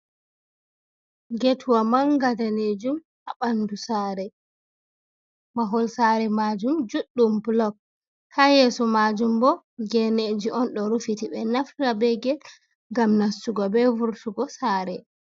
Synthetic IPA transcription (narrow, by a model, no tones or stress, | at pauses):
ɡetʰuwamanɡadaned͡ʒum | aɓandusaɾɛ | maɦɔlsaɾɛmad͡ʒumd͡ʒuɗːumblɔk̚ | hajɛsɔmad͡ʒumbɔ | ɡɛned͡ʒiʔɔnɗɔɾufitiɓɛnaftabɛɡɛ | ŋɡamnastuɡɔbɛvuɾtuɡɔsaːɾɛ